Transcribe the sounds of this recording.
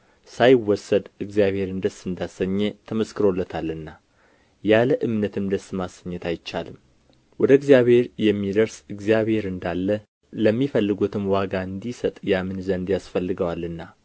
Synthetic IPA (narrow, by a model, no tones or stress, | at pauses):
sajɪwːɔsːəd̪ɨɡzijaβhe̞ɾɨnd̪əsɨnd̪asəɲːet̪ʰəməskʰɨɾo̞lːət̪ʰalːɨnːa | jaləʔɨmnət̪ʰɨmd̪əsːmasəɲːɛt̪ʰajt͡ʃːa̰lɨm | wɔd̪əɨɡzjaβhe̞ɾjɛmːid̪əɾsɨɡzijaβhe̞ɾɨnd̪alːə | ləmːifəlːɨɡut̪ʰɨmwaɡaɨnd̪isət̪ʼjamɨnzənd̪jasfəlːɨɡəwalːɨnːa